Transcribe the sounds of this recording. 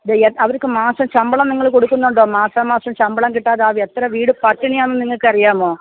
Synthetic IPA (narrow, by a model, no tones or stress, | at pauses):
deeɐʋɐɾkːɨmaːsɐmt͡ɕɐmbɐɭɐmniŋːɐɭkoɽukːunːuɳɖo̞ːmaːsaːmaːsrɐmt͡ɕɐmbɐɭɐmkiʈːaːðaːʋet̪rɐʋiːɽɨpɐtːɐɳijaːnːɨniŋːɐɭkːɨɐrijaːmo̞ː